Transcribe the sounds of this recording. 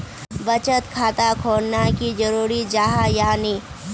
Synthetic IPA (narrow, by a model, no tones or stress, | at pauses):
bət͡ʃət̪kʰaːt̪akʰoːɽnakid͡ʒəɾuːɾid͡ʒaːɦajaːni